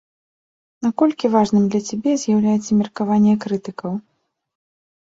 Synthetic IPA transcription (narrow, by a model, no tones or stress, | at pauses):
nakɔlʲkʲivaʐnɨmd̪lʲɐt͡sʲabʲɛzʲjawlʲajɛt̪sɐmʲɐrkavanʲːjɐkɾɨt̪ɨkɐw